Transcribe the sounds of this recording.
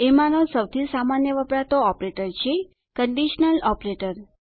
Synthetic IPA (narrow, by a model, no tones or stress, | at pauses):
emãnosəwt̪ʰisamanjəʋəpɾat̪oɔpɾeʈəɾt͡ʃʰe | kəɳɖiʃnəlɔpɾeʈəɾ